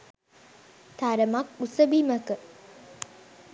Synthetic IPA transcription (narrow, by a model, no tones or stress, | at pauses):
t̪aɾəmakusəbiməkə